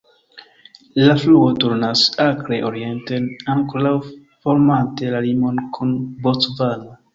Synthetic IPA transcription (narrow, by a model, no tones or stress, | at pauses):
lafluotuɾnasakɾeʔo̞ɾie̞ntenaŋkoɾaw | fo̞ɾmante̞lalimo̞nkʰunbot͡svala